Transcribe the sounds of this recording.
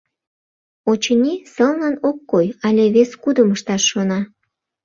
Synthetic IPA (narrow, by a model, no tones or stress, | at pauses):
ot͡ɕənʲisəlnɑnokːojɑlʲeβeskud̪əməʃt̪ɑʃːonɑ